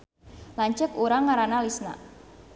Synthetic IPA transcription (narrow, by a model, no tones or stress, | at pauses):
laɲt͡ʃɛkuɾaŋaɾanalisna̰ʔ